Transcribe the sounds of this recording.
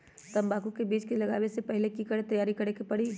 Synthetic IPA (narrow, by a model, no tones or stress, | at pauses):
t̪ɐmbaːkukebiːt͡ʃkelɐɡaːwesepɛɦlekikəɽet̪ɐjaːɾikɐɾekepɐɽi